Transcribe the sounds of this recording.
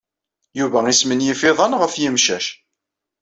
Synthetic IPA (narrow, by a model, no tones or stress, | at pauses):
juvæismənjifɪðˤənʁəfjimʃæʃ